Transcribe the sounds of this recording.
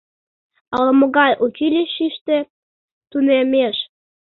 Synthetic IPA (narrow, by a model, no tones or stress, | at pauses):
ɑlə̆mə̆ɣɑjʔut͡ɕilʲiʃiʃt̪e | t̪unemeʃ